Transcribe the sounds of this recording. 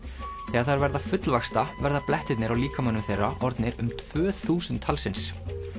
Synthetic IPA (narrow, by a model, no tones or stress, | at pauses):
θɛːaɾ̥θaɾvɛɾðafʏt̪lvaxst̪avɛɾðaplɛht̪ɪt̪nɪɾawliːkamanːʏmθejrːaʔɔɾt̪nɪɾʏmt̪ʰv̥œːθuːsʏnt̪ʰːalsɪns